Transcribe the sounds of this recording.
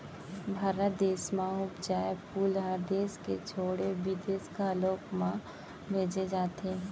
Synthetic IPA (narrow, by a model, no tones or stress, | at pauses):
bʱaːɾət̪d̪eːsmãʊbd͡ʒaːepuːlaɾd̪eːsket͡ʃʰoːɽebid̪eːskaloːkmã | bʱeːd͡ʒed͡ʒaːt̪eɦɛ̃ː